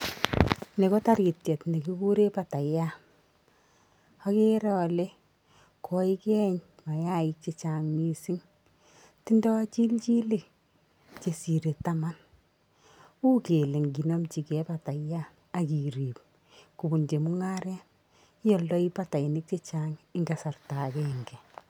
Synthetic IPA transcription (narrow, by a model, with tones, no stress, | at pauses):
ne˨kɔ˦ta˦ɾi˨tjɛ˨tne˨ki˦ku˦ɾe˦pa˨ta˨ja˦ | a˦ke˦ɾa˦ɔ˨le˦ | kʰɔ˨i˦kɛ˦ɲma˨ja˦ɪ˦k̚t͡ʃe˨t͡ʃa˨ŋmi˦si˦ŋ | ti˦ndɔ˦t͡ʃi˦lt͡ʃi˦le˨k̚ | t͡ʃe˨si˨ɾe˨ta˦ma˦n | u˦ke˨le˨ŋɡi˨nɔ˦mt͡ʃi˨kɛ˦pata˨ja˦ | a˨ki˨ɾi˨p̚ | ku˨bu˨nd͡ʒe˨mu˦ŋa˦ɾɛ˦n˦ | jɔ˦ldɔ˦i˦pa˦ta˨i˨nɪ˦k̚t͡ʃe˦t͡ʃaŋɪ˦ŋɡa˨sa˨rta˨kɛ˦˨ŋɡɛ˨